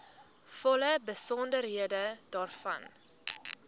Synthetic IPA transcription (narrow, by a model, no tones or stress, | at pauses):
fɔləbəsɔndərɦiədədɑːrfɐ̰n